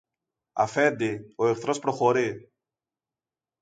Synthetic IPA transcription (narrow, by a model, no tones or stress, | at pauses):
ɐ̰fend̪ioekθɾo̞spɾoxoɾi